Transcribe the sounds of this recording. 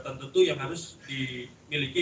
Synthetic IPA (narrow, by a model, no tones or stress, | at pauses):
t̪ant̪ut̪ujaŋɦaɾʊsdi | miliki